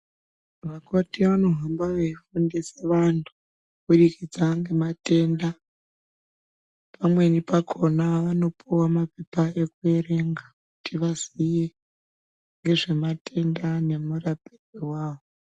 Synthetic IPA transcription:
ʋakotiʋano̞ɦambaʋeifundiseʋantʰu̥ | buɗikid͡zaŋɡe̞mate̞nda | pʰamwe̞nipakʰo̞naʋano̞pʰuwamapepae̞kue̞ɾe̞ŋɡak̚utʰiʋazije | ŋɡe̞ʐe̞matʰe̞ndane̞murapi̥riwaːʋo

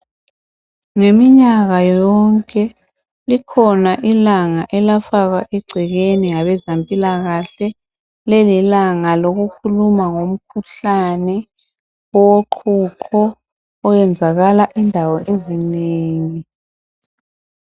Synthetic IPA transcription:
ŋemiɲaɣajɔŋkʼɛ | likʰɔnaʔilaŋaʔɛlafaɣaʔɛɡ͡ǀʱɛɣeniŋaβɛzampʼilaɣaɬɛ | lelilaŋaloɣukʰulumaŋom̩kʰuɬanɛ | ɔwoǃʰuǃʰɔː | jɛnd͡zʱaɣalaʔindʱawɔʔezineːŋi

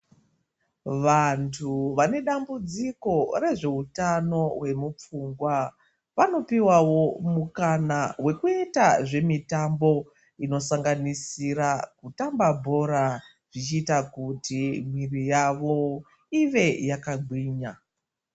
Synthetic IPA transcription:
ʋantʰuʋane̞ɗambud͡ziko̞re̞ʐe̞utano̞we̞mup͡fuŋɡwa | ʋano̞piwawo̞mukanawe̞kuetaʐe̞mitambo̞ | ino̞saŋɡanisiɾakutambabʱo̞ɾa | ʐ̥it͡ʃiːtakutim̤irijaʋo̞ | iʋe̞jakaɡʱwiːɲa

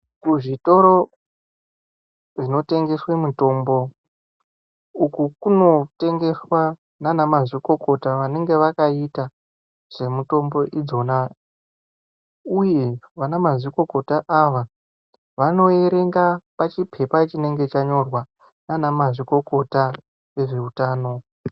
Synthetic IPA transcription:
kuʐito̞ɾo̞ | ʐino̞te̞ŋɡe̞swemuto̞mbo̞ | ukukuno̞te̞ŋɡe̞swa | nanamaziko̞ko̞taʋane̞ŋɡe̞ʋakaita | ʐ̥e̞muto̞mbo̞ʔid͡zo̞na | uje̞ʋanamaʐiko̞ko̞taʔaʋa | ʋano̞eɾe̞ŋɡapat͡ʃipʰe̞pat͡ʃine̞ŋɡe̞t͡ʃaɲo̞rwa | nanamaʐiko̞ko̞ta | e̞ʐe̞utaːno̞

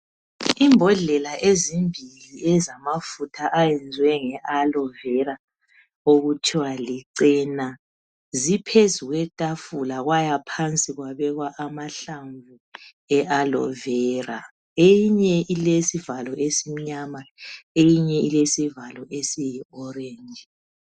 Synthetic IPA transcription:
imbʱɔɮɛlaʔezimbʱiliɛzamafutʰaʔajend͡zʱwɛŋɛʔalɔvɛɾa | oɣutʰiwaliǀɛːna | zipʰezuɣɛtʼafulaɣwajapʰant͡sʼiɣwaβɛɣwaʔamaɬaɱvu | ɛʔalɔ̰vɛːra | ejiɲɛʔilesivalɔʔesim̩ɲamaejiɲɛilesivalɔʔesijiɔɾeːnd͡ʒʱi

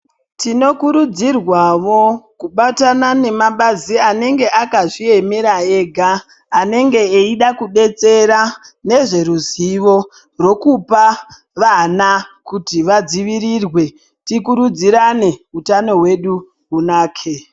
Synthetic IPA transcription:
tino̞kuɾud͡zirwaʋo̞kuɓatanane̞maɓaziane̞ŋɡe̞ʔakaʐie̞meɾae̞ːɡʱaː | ne̞ŋɡe̞ːiɗakuɗe̞t͡se̞ɾane̞ʐe̞ɾuziʋo̞ | ro̞kupa | ʋanakutiʋad͡ziʋirirwe̞ | tikuɾud͡ziɾane̞utano̞ɦwe̞ɗu | ɦunaːkʰe̞

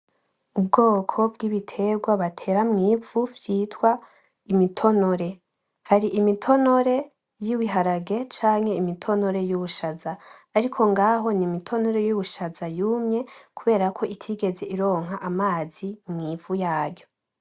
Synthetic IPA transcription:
ub̚ɡo̞ːkʰo̞b̚ɡiβitʰe̞ɡwaβatʰe̞ːɾamŋiːv̥uvjiːtwa | imitʰo̞no̞ɾe̞ | haɾiʔimitʰo̞no̞ɾe̞ | juβiɦaɾaɡe̞t͡ʃaːŋhe̞imitʰo̞no̞ɾe̞juβuʃazaːɾikʰo̞ŋɡaɦo̞nimitʰo̞noɾe̞juβuʃazajuːmɲe̞kuβe̞ːɾakʰo̞itʰiːɡe̞ze̞ʔiɾo̞ːŋ̥ɦaʔamaːzimŋiːvujaːɾɟo̞

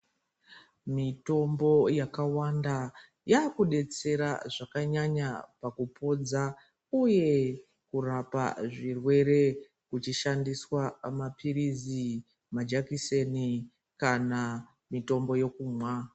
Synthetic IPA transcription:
mito̞mbo̞jakawanda | jakuɗe̞t͡se̞ɾa̰ʐakaɲaɲapakupo̞d͡za | uje̞ | kurapa̰ʐirwe̞ɾe̞ | kut͡ʃiʃandiswamapiɾizi | mad͡ʒakiseni | kana | mito̞mbo̞je̞kumwa

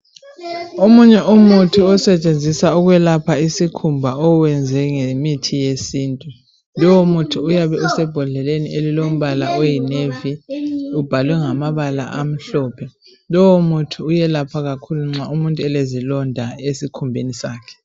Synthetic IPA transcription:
omuɲɛʔomutʰuɔsɛt͡ʃʼend͡zʱisauɣwɛlapʰaisikʰumbʱaɔwɛnd͡zʱɛŋemitʰijesiːntʼu | lɔwomutʰuːjaβɛusɛb̥ʱɔɮɛlenielilom̩βalaojineviub̥ʱalwɛŋamaβala̰ʔam̩ɬɔːpʰɛ | lɔwomutʰuːjɛlapʰaɣakʰuluŋ͡ǁaumuntʼuɛlezilɔndʱaesikʰumbʱenisaːkʰɛ̥

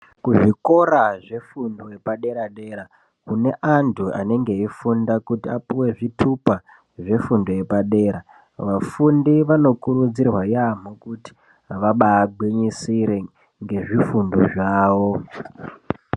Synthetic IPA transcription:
kuʐiko̞ɾaʐe̞fundoje̞paɗe̞ɾaɗe̞ɾa | kune̞ʔantʰua̰ne̞ŋɡe̞ifundakutiapuwe̞ʐitʰupa | ʐe̞fundoe̞paɗe̞ːɾa | ʋafundiʋano̞kuɾud͡zirwajam̤okuti̥ | aʋaɓaːɡʱwiɲisiɾe | ŋɡe̞ʐifundṵʐaːʋo̞

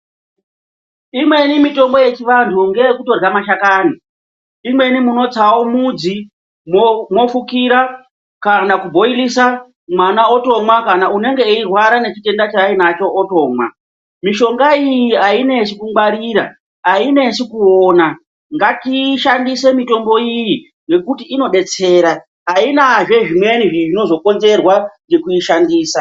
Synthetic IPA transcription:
imwe̞nimito̞mbo̞je̞t͡ʃiʋantʰuŋɡe̞kuto̞rjamaʃakaːni | imwe̞nimuno̞t͡sawomud͡zi | momo̞fukiɾa | kanakubʱo̞ilisa | mwanao̞to̞mwakanaune̞ŋɡe̞eirwaɾane̞t͡ʃite̞ndat͡ʃainat͡ʃo̞ʔoto̞ːmwa̰ | miʃo̞ŋɡaijiaine̞sikuŋɡ͡baɾiɾa̰ | aine̞sikuoːna | ŋɡatiʃandise̞mito̞mbo̞iji | ŋɡe̞kutiːno̞ɗe̞t͡se̞ːɾa | ainaʐe̞ʐimwe̞niʐiʐino̞zo̞ko̞nze̞rwaŋɡe̞kuiʃandiːsa

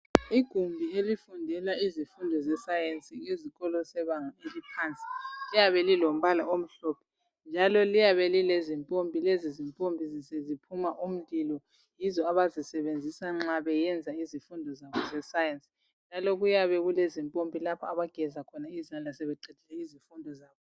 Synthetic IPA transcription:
iɡ̥ʱumbʱielifundʱɛlaizifundʱɔzɛsajensʼiɣeziɣɔlɔsɛβaŋaelipʰaːnt͡sʼi̥lijaβɛlilom̩βalaom̩ɬɔpʰɛ̥ | nd͡ʒʱalɔlijaβɛlilezimpʼombʱilezizimpʼombʱizisezipʰumaʔum̩lilɔ | jizɔaβazisɛβend͡zʱisaŋ͡ǁaβɛjɛnd͡zʱaizifundʱɔzaβɔzɛsajensʼi̥ | nd͡ʒʱalɔɣujaβɛɣulezimpʼombʱilapʰɔaβaɡ̥ʱɛzakʰɔnaizalasɛβɛǃɛdʰʱilɛizifundʱɔzaːβɔ

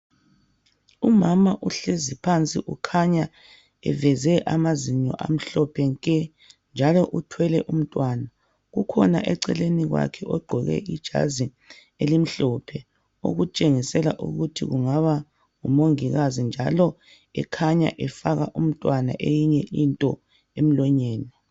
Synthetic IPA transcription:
umamaʔuɬezipʰant͡sʼḭʔukʰaɲa | ɛvɛzɛʔamaziɲɔ̰ʔa̰m̩ɬɔpʰɛŋkʼɛ | nd͡ʒʱalɔʔutʰwɛlɛʔum̩tʼwaːna | ɣukʰɔna̰ʔɛǀɛleniɣwa̰kʰɛʔɔɡ͡ǃʱɔɣɛ̰ʔid̥ʒ̥ʱa̰zi | elim̩ɬɔpʰɛ | o̰ɣut͡ʃʼeŋisɛlaʔṵɣutʰiɣuŋaβa | ŋṵmoŋiɣazind͡ʒʱalɔ | ɛkʰaɲaʔɛfaɣaʔum̩tʼwana̰ʔejiɲɛʔintʼɔ̰ | em̩lɔɲeːnɛ

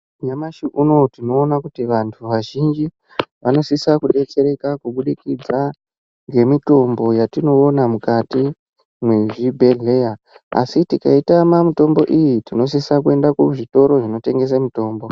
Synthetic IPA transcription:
ɲamaʃiʔuno̞tino̞ːnakutiʋantʰuʋaʒind͡ʒi | ʋano̞sisakuɗe̞t͡se̞ɾe̞kakuɓuɗikid͡za | ŋɡe̞mito̞mbo̞jatino̞ːnamukati | mweʐibʱe̞ɮe̞ja | a̰sitikaitamamito̞mbo̞̰ʔijitino̞s̬isakue̞ndakuʐito̞ɾo̞ʐino̞te̞ŋɡe̞s̬amito̞ːmbo̞

